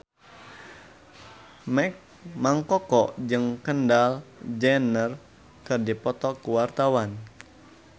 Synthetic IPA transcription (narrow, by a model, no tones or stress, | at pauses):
mɛk̚ | maŋkɔkɔʔd͡ʒɨŋkəndald͡ʒɛnər | kɨrdipɔt̪ɔkuwart̪awan